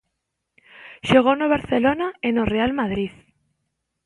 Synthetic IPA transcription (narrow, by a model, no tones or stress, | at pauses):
ʃoɣ̞onoβ̞aɾθelonaenorealmaðɾið